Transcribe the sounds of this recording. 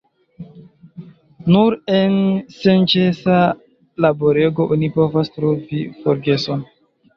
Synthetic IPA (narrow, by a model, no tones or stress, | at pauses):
nuɾensent͡ʃesa | laboɾe̞ɡo̞ʔunipo̞vastɾovifoɾɡe̞so̞n